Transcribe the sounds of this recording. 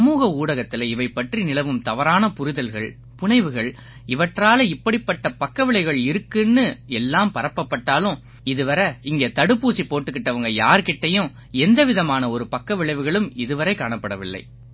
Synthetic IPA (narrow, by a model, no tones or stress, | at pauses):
ɐmuːɣɐuːɽɐɣɐt̪ːɪlɐɪʋɐɪpːɐʈrinɪlɐʋɯmt̪ɐʋɐɾaːnɐpʊɾɪðɐlɣɐɭ | pʊɳɐɪʋɯɣɐɭ | ɪʋɐʈraːlɐɪpːɐɽɪpːɐʈːɐpɐkːɐʋɪɭɐɪɣɐɭɪɾɯkːɯnːɯɛlːaːmpɐɾɐpːɐpːɐʈːaːlɯ̃ | ɪðɯʋɐɾɐɪŋɡeːt̪ɐɽɯpːuːsipoːʈːɯkːɪʈːɐʋɐŋɡɐjaːɾkɪʈːɐjʊ̃ | ɛnd̪ɐʋɪðɐmaːnɐɔɾɯpɐkːɐʋɪɭɐɪʋɯɣɐɭɯmɪðɯʋɐɾɐɪkaːɳɐpːɐɽɐʋɪlːɐ̰ɪ